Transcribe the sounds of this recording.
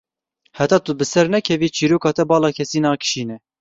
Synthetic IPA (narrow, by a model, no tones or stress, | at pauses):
hɛt̪ɑːt̪ubɨsɛɾnɛkʰɛviːt͡ʃʰiːɾuːkɑːt̪ɛbɑːlɑːkʰɛsiːnɑːkɨ̥ʃiːnɛ